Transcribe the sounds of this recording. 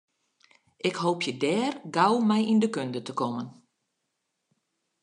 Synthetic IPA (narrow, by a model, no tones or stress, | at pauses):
ʔɪkhoːpʰjədɛːrɡawmɛjindəkøndətəkɔmən